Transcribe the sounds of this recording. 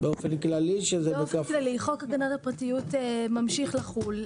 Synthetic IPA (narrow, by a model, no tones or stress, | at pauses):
beofenklaliʃezɛbekaflaliχokaɡanatapʁatijutemamʃiχlaχul